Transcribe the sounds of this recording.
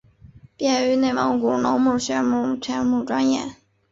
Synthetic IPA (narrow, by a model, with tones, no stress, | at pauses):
pjɛ˥˩y˧˥ne˥˩ɪwɑ˧˥ŋku˨˩no˧˥mu˥˩ɕɥɛ˧˥mu˥˩ʈ͡ʂʰɛ˧˥nmu˥˩ʈ͡ʂwa˥njɛ̰˥˩